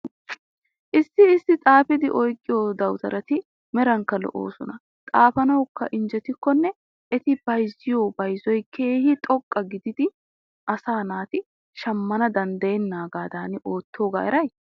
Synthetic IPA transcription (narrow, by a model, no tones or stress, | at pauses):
ʔɪsːɪːsːɪt̪ʼaːfɪd̪ɪʔɔjkʼːɪjoːd̪ɐwt̪ɐɾɐt̪ɪ | mɛɾɐŋkːɐlɔ̰ʔo̰ːsɔnɐ | t̪ʼaːfɐnɐwkːɐʔɪnd͡ʒɛt̪ɪkːɔnːɛ | ʔɛt̪ɪb̥ɐjzːɪjoːbɐjzɔjkʰe̞ːhɪt̪ʼɔkʼːɐɡɪd̪ɪd̪ɪ | ʔɐsaːnaːt̪ɪ | ʃɐmːɐnɐd̪ɐnd̪ɐjɛnːaːɡaːd̪aːnɪʔoːt̪ʰːoːɡa̰ːɛɾɐj